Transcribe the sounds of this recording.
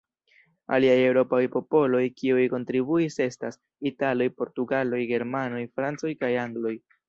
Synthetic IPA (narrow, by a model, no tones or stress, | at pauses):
a̰liaje̞wɾo̞pajpo̞po̞lo̞jkiujko̞ntɾibuise̞stas | italo̞jpo̞ɾtuɡalo̞jɡe̞ɾmano̞jfɾant͡so̞jkajaŋɡlo̞j